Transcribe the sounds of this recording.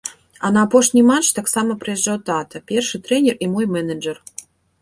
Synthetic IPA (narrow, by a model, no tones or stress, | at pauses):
ɐnɐːpoʂnʲijmat͡ʂt̪aksaməpɾɨjɛʐːawt̪at̪ɐpʲerʂɨt̪ɾɛnʲɛrimojmɛnəd͡ʒər